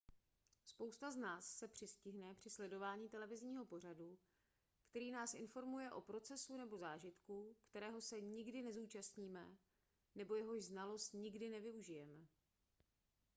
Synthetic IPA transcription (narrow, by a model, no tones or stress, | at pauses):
spo̞wst̪aznaːsːɛpr̝̥ɪscɪɦnɛpr̝̥ɪslɛdo̞vaːɲiːt̪ɛlɛvɪzɲiːɦo̞po̞r̝adu | kt̪ɛɾiːnaːsʔɪnfo̞ɾmujɛʔo̞pɾo̞t͡sɛsunɛbo̞zaːʒɪt̪kukt̪ɛɾɛːɦo̞sɛɲɪɡdɪnɛzuːt͡ʃast̪ɲiːmɛ | nɛbo̞jɛɦo̞ʒznalo̞st̪ɲɪɡdɪnɛvɪuʒɪjɛmɛ